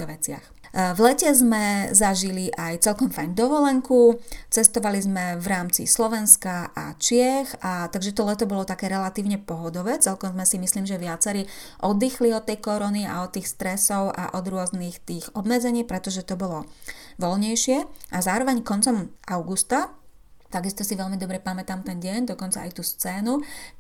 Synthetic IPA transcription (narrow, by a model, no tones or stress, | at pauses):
ʋɛt͡sɪa̰x | vlɛcɛzmɛzaʒiliʔajt͡sɛlkɔmfajnd̪ɔʋɔlɛŋkut͡sɛst̪ɔʋalizmɛʋɾaːmt͡sḭslɔʋɛnskaʔa̰t͡ʃɪɛxat̪aɡʒɛt̪ɔlɛt̪ɔbɔlɔt̪akɛːɾɛlat̪iːʊɲɛpɔɦɔd̪ɔʋɛːt͡sɛlkɔmzmɛsimisliːmʒɛʋɪat͡sɛɾiʔɔd̪ːixliɔt̪ːɛjkɔɾɔnia̰ɔt̪ːiːxst̪ɾɛsɔʊʔa̰ʔɔd̪ɾʊɔznixt̪iːɣɔbmɛd͡zɛɲiːpɾɛt̪ɔʒɛt̪ɔbɔlɔʋɔlɲɛjʃɪɛʔazaːɾɔʋɛɲkɔnt͡sɔmaʊɡust̪a | t̪aɡist̪ɔsiʋɛlmid̪ɔbɾɛpamɛt̪aːmt̪ɛnɟɪɛɲd̪ɔkɔnt͡saʔa̰jt̪uːst͡sɛːnu